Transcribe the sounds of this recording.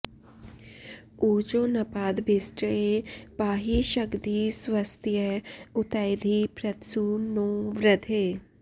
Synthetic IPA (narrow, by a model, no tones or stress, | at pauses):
uːt͡ʃoːnɐpaːd̪bʱɪsʈepaːɦiʃəkd̪isʋəst̪ʰjəʊt̪ajd̪ʱipɾɐt̪suːnoːʋɾəd̪ʰʱeː